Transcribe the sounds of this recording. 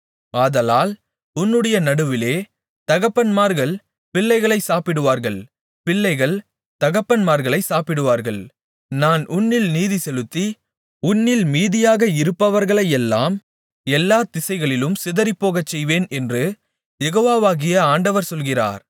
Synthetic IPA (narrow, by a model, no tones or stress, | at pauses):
aːðɐlaːl | ʊnːɯɽɐjɐnɐɽɯʋɪleː | t̪ɐɣɐpːɐnmaːɾɣɐɭ | pɪɭːɐɪɣɐɭɐɪsaːpɪɽɯʋaːɾɣɐɭ | pɪlːɐɪɣɐɭ | t̪ɐɣɐpːɐnmaːɾɣɐɭɐɪsaːpɪɽɯʋaːɾɣɐɭ | naːnʔʊnːɪlniːðisɛlɯt̪ːi | ʊnːɪlmiːðɪjaːɣɐɪɾɯpːɐʋɐɾɣɐɭɐjɛlːa̰ːm | ɛlːaːt̪ɪsɐɪɣɐɭɪlɯmsɪðɐɾɪpːoːɣɐt͡ʃːɛjʋeːnɛndrɯ | jɛɣoːʋaːʋaːɣɪjɐaːɳɖɐʋɐɾsɔlɣɪra̰ːɾ